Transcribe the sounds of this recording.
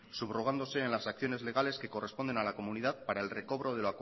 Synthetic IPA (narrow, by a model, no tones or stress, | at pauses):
suβruɣand̪ose̞ːnlasak̚θjo̞ne̞zle̞ɣ̞ale̞ske̞kore̞spo̞nd̪e̞nalako̞muniðaðpaɾae̞lre̞ko̞β̞ɾo̞ð̞e̞loak